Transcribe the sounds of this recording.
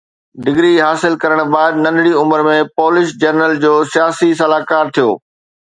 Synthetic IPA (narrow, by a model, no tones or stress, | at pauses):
ɖɪɡɾiɦaːsɪlkɐɾəɽ̃baːɪd̪nɐ̃nɽiʊməɾmẽpɔːlɪʃd͡ʑɐɾnəld͡ʑoːsijaːsis̬ɐlaːkaːɾt̪ʰijo̰ː